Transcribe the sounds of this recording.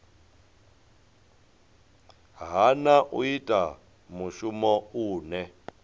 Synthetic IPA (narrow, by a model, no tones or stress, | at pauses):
ɦanaʔṵitʼa | muʃumɔuːnɛ